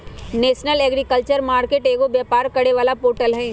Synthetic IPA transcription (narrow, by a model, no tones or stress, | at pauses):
neːʃnəlɛːɡɾikəlt͡ʃəɾmaːɾkeːʈeːɡobjaːpaːɾkɐɽeʋaːlapoːɾʈəlɦɛ̃ː